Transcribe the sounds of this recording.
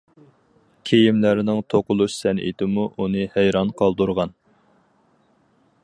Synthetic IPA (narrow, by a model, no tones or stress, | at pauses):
kʲʰejimlæɾɪnɪŋt̪ʰoqʊlˠuʃsɛnʔḭd̪ɪmuʔunɨhæjɾɑnqʰɑlˠd̪uɾʁɑn